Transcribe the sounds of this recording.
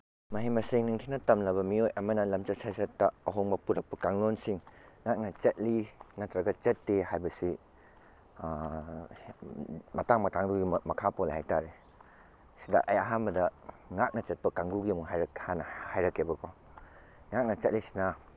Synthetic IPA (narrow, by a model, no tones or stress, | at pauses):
mɐɦimɐseŋniŋtʰinɐtɐmlɐbɐmiojʔɐmɐnɐlɐmt͡ʃɐt̚sajsɐtːɐɐɦoŋbɐpuɾɐk̚pːɐkaŋlonsiŋŋak̚nɐt͡ʃɐt̚linɐtɾɐɡɐt͡ʃɐtːehajbɐsi | mɐtaŋmɐtʰaŋduɡimɐkʰapɔlhajtaɾe | sidɐ̰ʔɐjaɦanbɐdɐ | ŋak̚nɐt͡ʃɐt̚pɐkaŋɡuɡimuɦajɾhanɐhajɾɐkːebɐkʰɔ | ŋak̚nɐt͡ʃɐt̚lisi̥na